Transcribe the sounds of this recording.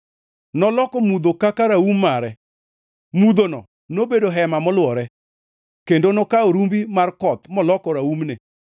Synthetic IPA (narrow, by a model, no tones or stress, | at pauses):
nɔlɔkɔmud̪okakaɾaumːaɾɛ | mud̪onɔ̰ | nobedoɦɛmamɔlwɔɾɛ | kendonokaoɾumbimarkɔt̪mɔlɔkɔɾaumnɪ